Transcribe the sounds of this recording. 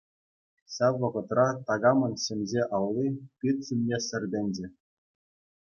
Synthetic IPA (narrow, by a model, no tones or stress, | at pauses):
ɕɑʋːɤ̆ʁɤ̆t̪rɑt̪ɑɡɑmɤ̆nɕɘ̆mʲzʲeʔɑlːipʲit̪ʲsimʲːesʲɘ̆rʲd̪ʲɘ̆nʲd͡ʑɘ̆